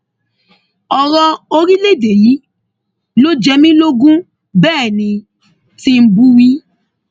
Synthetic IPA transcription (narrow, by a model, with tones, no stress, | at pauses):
ɔ˨ɾɔ˧o˧ɾi˦le˦˨de˨ji˨˦ | lo˦d͡ʒɛ˧mĩ˦lo˦ɡũ˦ | bɛː˦˨nĩ˧ | ti˦m̩˦bu˦wi˦